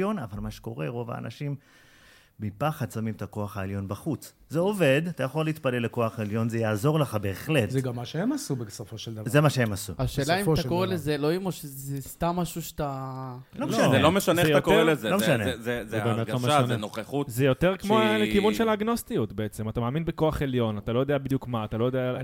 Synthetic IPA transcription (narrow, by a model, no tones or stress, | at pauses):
jo̞navalmaʃe̥ko̞ʁe̞ʁo̞va̰ːnʔa̰ʃim | bipaχad̪samimet̪ako̞aχhaeljo̞nbaχut͡s | zeove̞d̪at̪ajaχo̞leit̪pale̞lːeko̞aχeljo̞nzejaːzo̞ʁleχabe̞ːχlet̪zeɡamːaʃeemasubesofoʃeld̪ɐvzemaʃehemasṵaʃe̞ːlaimt̪akoʁelezeloimoʃezest̪amːaʃuʃe̥t̪a | loelomeʃaneejoatkelezelomʃanezezeaɡomazenoχeχutzejo̞t̪eʁkmmolekivunʃelaːɡno̞st̪ijut̪beet͡semat̪amaːminbeko̞aχe̞ljo̞nat̪alo̞jo̞d̪eabid̪jukmaːt̪alojodea